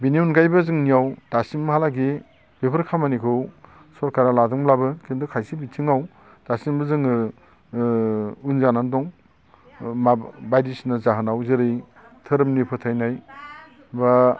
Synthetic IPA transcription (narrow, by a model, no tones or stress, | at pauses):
biniunɡajbɯzɯŋnijawd̥asimːɦalaɡi | b̥epʰɯɾkʰamanikʰɯw | sɔɾkaɾaladɔŋlabɯkʰindɔkʰajsibitʰiŋaw | d̥asimbɯzɯŋɯ | unzanandɔŋ | mabajdisnazaɦɯnawzɯɾɯj | tʰɯɾɯmnipʰɯtʰajnaj | ba